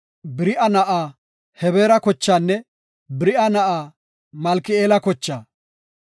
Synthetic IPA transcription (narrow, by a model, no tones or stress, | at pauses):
bɪɾɪʔɐnɐʔaː | hɛbeːɾɐkɔt͡ʃːaːnːɛ | bɪɾɪʔɐnɐʔaː | mɐlkɪeːlɐkɔt͡ʃːaː